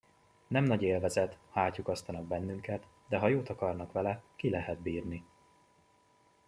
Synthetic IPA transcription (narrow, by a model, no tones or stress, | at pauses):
nɛmnɒɟeːlvɛzɛt̪haːcːukɒst̪ɒnɒɡ̚bɛnːyŋkɛt̪ | d̪ɛɦɒjoːt̪ɒkɒrnɒkʋɛlɛkilɛɦɛd̪biːrni